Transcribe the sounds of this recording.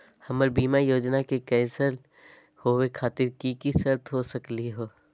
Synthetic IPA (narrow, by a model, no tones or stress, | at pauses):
hɐməɾbiːmajoːd͡ʒnakekɛːsəɾ | howekʰaːt̪ɪɾkikisəɾt̪ɦosɐkliɦoː